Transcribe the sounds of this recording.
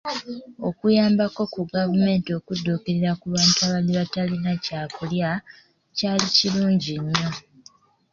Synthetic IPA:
o̞kujaːmbako̞kuɡavume̞ːntio̞kudːuːkeɾeɾakuβaːntuaβaliβatalinacaːkulja | caːliciluːɲɟiɲːo̞

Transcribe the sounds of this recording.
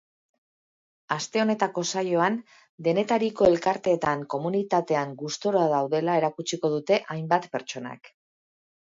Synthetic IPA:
ast̪e̞o̞ne̞t̪ako̞sajo̞an | d̪e̞ne̞t̪aɾiko̞e̞lkaɾt̪e̞ːt̪aŋko̞munit̪at̪e̞aŋɡust̪o̞ɾoaðawðe̞lae̞ɾakut͡ʃiko̞ð̞ut̪e̞ʔajmbat̪pe̞ɾt͡ʃo̞na̰k

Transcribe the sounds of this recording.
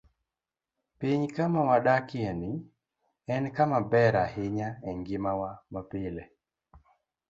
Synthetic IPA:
piɲkamawaɗakɪenɪ | ɛnkamabɛɾahɪɲaɛŋɡɪmawamapɪlɛ

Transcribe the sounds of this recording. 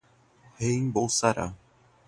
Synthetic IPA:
heɲbowsaɾa̰

